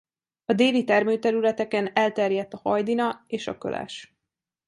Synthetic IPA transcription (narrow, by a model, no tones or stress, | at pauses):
ɒd̪eːlit̪ɛrmøːt̪ɛɾylɛt̪ɛkɛnɛlt̪ɛrjɛt̪ːɒhɒjd̪inɒeːʃɒ̰kø̰lʔɛ̰ʃ